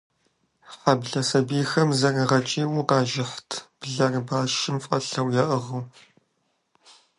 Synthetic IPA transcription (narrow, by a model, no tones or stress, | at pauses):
ħɐbɮɐsɐbiːxɐmzɐrʁɐt͡ʃʼiːwuqɑːʒɪħtʰb̥ɮɐrbaːʃɪmfʼɐɬɐwjɛʔɨʁɨw